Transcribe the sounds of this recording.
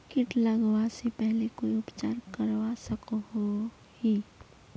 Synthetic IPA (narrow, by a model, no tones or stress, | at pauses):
kɪʈlaɡwasepɛɦlekoːiʊpt͡ʃaːɾkəɾwasəkɦo | hiː